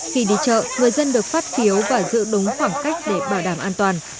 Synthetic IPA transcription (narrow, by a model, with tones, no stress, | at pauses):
xi˧˩ɗḭ˧˨t͡ɕə̰ː˧˨ŋɨ˨˩əjzə˧nɗɨ˨˩ək̚faː˦˥t̚xi˨˦əwvaː˨˩zɨ̰˧˥ɗʊ˨˦ŋ͡mxwaː˧˩ŋka˦˥jk̟̚ɗe˧˩ɓaː˧˩wɗaː˧˩mʔaː˧nt̪waː˨˩n